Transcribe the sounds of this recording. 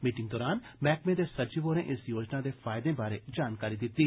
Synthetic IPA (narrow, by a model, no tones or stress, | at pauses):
miːʈɪ̃ŋɡd̪ɔːɾaːnmɛːkmẽd̪esɐɾd͡ʒiʋoːɾẽʔɪsjoːd͡ʒnad̪efaːjd̪ẽbaːɾed͡ʒaːnkaːɾid̪ɪt̪i